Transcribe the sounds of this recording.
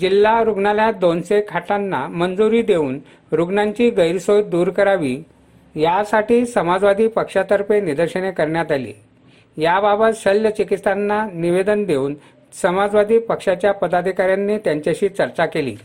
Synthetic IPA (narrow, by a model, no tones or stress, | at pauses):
d͡ʑilːaɾuɡɳaljad̪onɕekʰaʈanːa̰mənd͡zuɾiːd̪euːn | ɾuɡɳaɲt͡ɕiːɡəjɾsod̪uːɾkəɾaʋḭː | jasaʈiːsəmad͡zʋad̪ʱiːpəkʂat̪əɾpenid̪əɾɕənekəɾɳjat̪alḭː | jababət̪ɕəljət͡ɕikit̪t̪anːaniʋed̪ənd̪euːn | səmad͡zʋad̪ʱiːpəkʂat͡ɕjapəd̪ad̪ʱikaɾjanːit̪jaɲt͡ɕaɕiːt͡ɕəɾt͡ɕakelḭː